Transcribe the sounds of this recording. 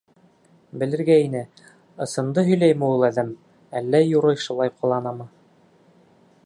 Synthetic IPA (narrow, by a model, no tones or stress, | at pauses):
bɘ̆lɘ̆ɾɡæinɘ | ɤ̆sɤ̆nd̪ɤɦɵ̆jlæjmɘ̆ulˠæðæm | ælːæjuɾɤjʃulˠɑjqʰŏlˠɑnɑmɤ